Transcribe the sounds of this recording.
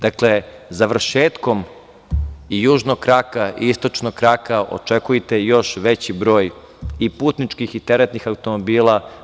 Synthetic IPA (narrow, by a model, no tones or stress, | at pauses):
d̪̥akle̞ | zaʋr̩ʃeːt̪ko̞m | ijuːʒnoɡ̚kɾakaḭist̪o̞t͡ʃnoɡkɾakaʔo̞̰t͡ʃekujet̪e̞jo̞ʃʋe̞t͡ɕibɾo̞ːj | ipuːt̪nit͡ʃkixit̪eɾet̪nixaut̪o̞mobiːla